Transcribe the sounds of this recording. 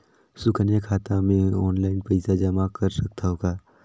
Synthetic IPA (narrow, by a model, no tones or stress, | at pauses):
sʊkʰənjakʰaːt̪amẽɔːnlaːɪnpɐɪsad͡ʒɐmakəɾsɐk̚ʰt̪ʰaɦoːɡaː